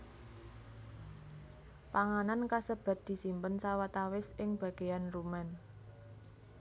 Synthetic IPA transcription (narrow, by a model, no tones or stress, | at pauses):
paŋanankasəb̥a̤t̪̚d̪̥i̤simpənsawat̪awɪsɪŋb̥ä̤ɡ̥e̤janrumɛn